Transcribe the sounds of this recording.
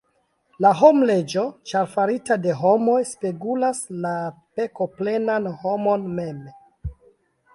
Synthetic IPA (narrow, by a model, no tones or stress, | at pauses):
laɦo̞mle̞d͡ʒot͡ʃaɾfaɾitade̞ɦo̞mo̞jspeɡulaslape̞kople̞nanhomo̞nme̞m